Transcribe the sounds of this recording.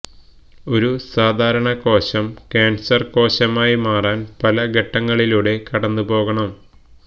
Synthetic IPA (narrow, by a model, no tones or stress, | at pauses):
o̞ɾusaːd̪ʱaːɾɐɳɐko̞ːɕɐmkeːnsɐrko̞ːɕɐmaːjimaːraːnpɐlɐɡɐʈːɐŋːɐɭiluːɽe̞kɐɽɐnːupo̞ːɣɐɳɐm